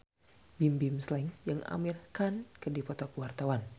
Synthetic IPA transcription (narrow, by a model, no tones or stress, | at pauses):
bimbimslɛŋjɨŋa̰mirkankədipɔt̪ɔkəwart̪awan